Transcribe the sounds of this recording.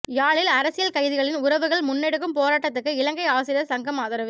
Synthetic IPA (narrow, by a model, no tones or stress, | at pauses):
jaːɭɪlɐɾɐsɪjɐlkɐɪðɪɣɐɭɪnʊɾɐʋɯɣɐɭmʊnːɛɽɯk̬ːɯmpoːɾaːʈːɐt̪ːɯkːɯɪlɐŋɡɐɪaːsɪɾɪjɐsɐŋɡɐmaːðɐɾɐʋ